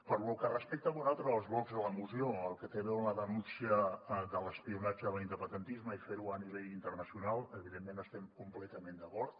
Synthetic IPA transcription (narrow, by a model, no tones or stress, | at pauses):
pəɾlukərəspɛk̚t̪əβuzalˠt̪ɾəːlˠzβɔɡzðələmuzioəlˠkət̪eβeləðənunsiəðələspiunad͡ʒəðəlind̪əpənd̪ənt̪izməifeɾuəniβeʎint̪ərnəsiunalˠəβiðemːenəst̪ɛmkumplɛt̪əmẽnd̪əkɔɾt̪